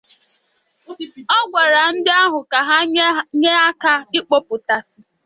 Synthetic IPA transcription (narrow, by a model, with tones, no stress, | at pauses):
ɔ˦ɡʷa˨ɾa˨n̩˦dɪ˦a˦ɦʊ˨ka˨ɦa˦ɲe˦a˦ka˦ɪ˦k͡po˦pʊ˨ta˨sɪ˨